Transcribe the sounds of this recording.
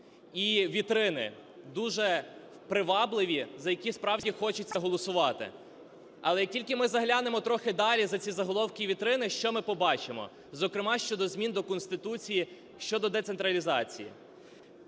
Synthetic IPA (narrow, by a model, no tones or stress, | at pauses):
iʋʲit̪ɾɪnɪ̰ | d̪uʒɛ | pɾɪʋɑblˠɪʋʲizɐjɐkʲispɾɑwd͡ʒʲixɔt͡ʃɪt͡sʲːɐɦɔlˠɔsʊʋɑt̪ɪ̰ | ɐlˠɛjɐk̚tʲilʲkɪmɪzɐɦlʲanemɔt̪ɾɔxɪd̪ɑlʲizɐt͡sʲizɐɦɔlˠɔwkʲiʋʲit̪ɾɪnɪʃt͡ʃɔmɪpɔbɑt͡ʃɪmɔ̰ | zɔkɾɪmɑʃt͡ʃɔd̪ɔzmʲind̪ɔkɔnst̪ɪt̪ut͡sʲiji | ʃt͡ʃɔd̪ɔd̪ɛt̪sent̪ɾɐlʲizɑt͡sʲḭjḭ